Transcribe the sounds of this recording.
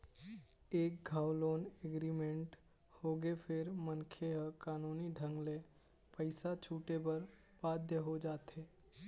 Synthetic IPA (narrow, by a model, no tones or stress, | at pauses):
eːk̚ɡʱaːwloːneɡɾimẽɳʈ | hoːɡepʰɪɾmənkʰeɦəkaːnuːniɖʱə̃ŋɡle | pəɪsat͡ʃʰuːʈebəɾ | baːd̪ʱjəɦod͡ʒaːt̪ɦeː